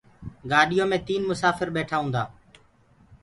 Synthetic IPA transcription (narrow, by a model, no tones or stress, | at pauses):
ɡaːɗɪjõːmẽːt̪iːnmʊsaːfəɾɓeːʈʰaːɦũːnd̪aː